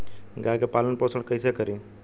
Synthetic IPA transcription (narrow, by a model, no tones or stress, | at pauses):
ɡajkepalənpoːsʰəɽkəɪsekəɾi